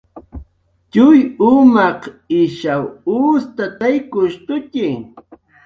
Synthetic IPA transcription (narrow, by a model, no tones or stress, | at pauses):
t͡ʃʊjʊmɑqɪʃawʊːst̪at̪ajkʊʃt̪ʊtɪŋ